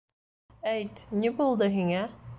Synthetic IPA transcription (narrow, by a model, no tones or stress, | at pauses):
æjt̪nʲibulˠd̪ɤɦiŋæ